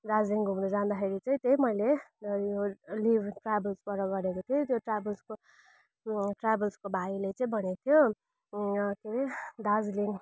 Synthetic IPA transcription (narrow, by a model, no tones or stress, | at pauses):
d̪ad͡zliŋɡʱumdud͡zand̪axʰeɾit͡sãĩt̪eĩmʌjlejolibʈrabʌlspʌɾʌɡʌɾekot̪ʰiot̪joʈrabʌlsko | ʈrabʌlskobʱailet͡sãĩbʱʌnet̪ʰijo | keɾed̪ad͡zliŋ